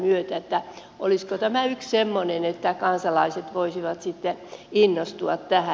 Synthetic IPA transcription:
myøt̪æet̪ːæ | ʔoliskot̪æmæykssemːonenet̪ːækɑnsɑlɑiset̪ʋoisiʋɑt̪sit̪ːeinːost̪uɑt̪tæhæ

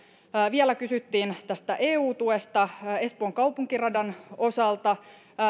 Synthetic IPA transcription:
ʋielækysyt̪ːiːnt̪æst̪æʔeːuːt̪ue̞st̪ɑe̞spoːŋkɑupuŋkirɑdɑno̞sɑlt̪ɑ

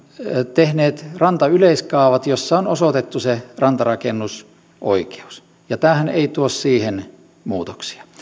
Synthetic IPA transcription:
t̪ehneːt̪rɑnt̪ɑyleiskɑˑːʋɑt̪josːɑonosot̪et̪ːuserɑnt̪ɑrɑkenːus | ʔo̰ike̥u̥s | jɑt̪æːhænḛit̪uossiːhen | muːt̪o̥ksi̥ɑ̥

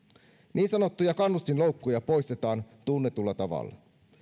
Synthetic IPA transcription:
nʔiːnsɑno̞t̪ːujɑkɑnːust̪inlowkːujɑpo̞ist̪e̞t̪ɑːnt̪unːet̪ulːɑt̪ɑʋɑ̰lːɑ̰

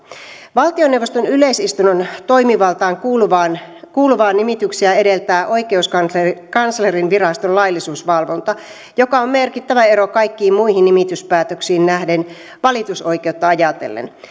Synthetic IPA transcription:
ʋɑlt̪ionewʋːost̪onyleisist̪unont̪oimiʋɑlt̪ɑːŋkuluʋɑːnkuːluʋɑːnimit̪yksiæedelt̪æːʔoikeuskɑkɑnslerinʋirɑst̪ollɑilːisuːsʋɑlʋont̪ɑ | jokɑommerkit̪ːæʋæerokɑikːiːmmuihinnimit̪yspæːt̪øksiːnnæhden | ʋɑlit̪usoikeut̪ːɑɑjɑt̪ḛlːḛn

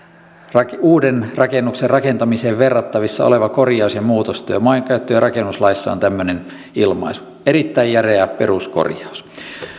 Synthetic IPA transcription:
rɑuːdenrɑkenːukserrɑkent̪ɑmiseːʋʋerːɑt̪ːɑʋisːɑole̞ʋɑko̞rjɑusjɑmuːt̪ost̪yːmɑiŋkæyt̪ːøjrʔɑkenːuslɑisːɑ̰o̰nt̪æmːønen | ilmɑ̰isu̥ | eɾit̪ːæijjæreæpe̞̰rusko̰rjɑus

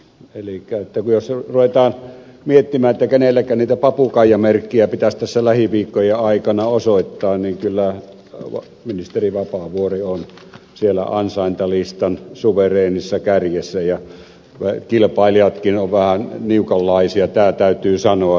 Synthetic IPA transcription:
elikːˑæet̪ːækujosruʋet̪ɑːn | miet̪ːimæːnet̪ːækenelːækˑænniːt̪æpɑpukɑˑijˑɑmerkːiæpit̪æst̪æsːælæhiʋiːkːˑojeɑˑikɑnɑosoˑit̪ːɑːnniŋkylːæ̰ | minist̪eriʋɑpɑʋuorion | sielːæ̰ɑnsɑˑint̪ɑlist̪ɑnsuʋereːnisːɑkærjesːæjɑ | ʋækilpɑˑelijɑt̪kinoʋʋæhænniukɑlːɑˑisiɑt̪æːt̪æˑyt̪yːsɑnoɑ

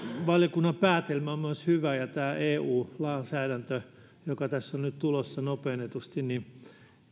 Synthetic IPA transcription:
ʋɑljɑkunːɑmpæːt̪elmæommyøshyʋæjɑt̪æːʔeːuːlɑːnsæːɾænt̪ø | jokɑt̪æsːonnyt̪t̪ulosːɑnopeːnːet̪ust̪inni

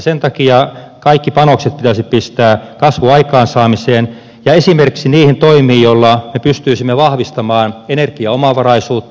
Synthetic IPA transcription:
sent̪ɑkiɑkɑikːipɑnokset̪̚pit̪æsippist̪æːkɑsʋuɑikɑːnsɑːmiseːn | jɑesimerkiksiniːhint̪oimiːjjolːɑmepyst̪yisimːeʋɑhʋist̪ɑmɑːnenerkiɑomɑʋɑrɑisuːt̪ː

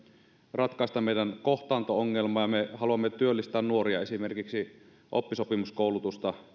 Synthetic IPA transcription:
rɑt̪kɑˑest̪ɑmeˑijdænkoht̪ɑːnt̪ooŋːelmɑːjɑmehɑluɑmːet̪yølːist̪æːnnuoriɑesimerkiksi | ʔopːisopimuskoˑulut̪ust̪ɑ

